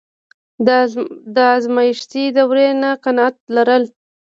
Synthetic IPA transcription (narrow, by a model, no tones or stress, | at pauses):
d̪əazmajɪʃt̪id̪əwɾenaqanat̪̚laɾəl